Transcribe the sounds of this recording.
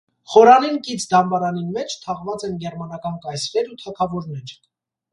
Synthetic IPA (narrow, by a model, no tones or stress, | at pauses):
χɔɾɑninkit͡sʰd̪ɑmbɑɾɑninmɛt͡ʃʰt̪ʰɑʁvɑt͡sɛnɡɛɾmɑnɑkɑnkɑjsɾɛɾut̪ʰɑkʰɑvɔɾnɛɾ